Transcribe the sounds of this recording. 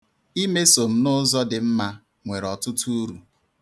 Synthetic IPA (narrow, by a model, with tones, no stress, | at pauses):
i˦me˦so˨m̩˦nʊ˦zɔ˦dɪ˨m̩˦ma˦ | ŋʷe˨ɾɔ˨tʊ˦tu˦u˦ɾu˨